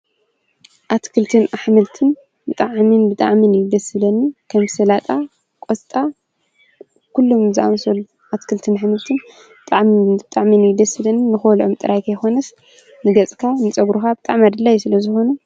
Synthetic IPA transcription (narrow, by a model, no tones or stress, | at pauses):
ʔat̪kʰɨlt̪ʰɨnaħmɨlt̪ʰɨn | bɨt̪ʼaʕminbɨt̪ʼa̰ʕminɨjd̪ɐsɨlɐnːikʰɐmsɐlat̪ʼa | kʼost̪ʼa | kʰulːomzɨʔa̰msɐlːu | ʔat̪kʰɨlt̪ʰɨnaħmɨlt̪ʰɨn | bɨt̪ʼaʕmiɨt̪ʼaʕminɨjd̪ɐsɨlɐnːinɨxolʔomt̪ʼɨɾajkʰɐjxo̞nɐs | nɨɡɐt͡sʼkʰanɨt͡sʼɐɡɾuxabɨt̪ʼaʕmad̪ɨlːajːusɨlɐzɨxo̞nu